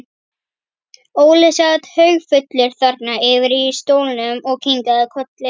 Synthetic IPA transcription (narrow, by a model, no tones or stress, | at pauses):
oːwlɪsat̪hœɥɣfʏt̪lɪɾ̥θaɾt̪naɪvɪɾist̪oːwlɪnʏmɔɣcʰiŋkaðɪkʰœt̪lɪ